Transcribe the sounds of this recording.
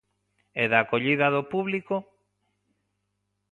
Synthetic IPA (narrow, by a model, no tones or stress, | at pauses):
eðaːkoʎiðaðopuβliko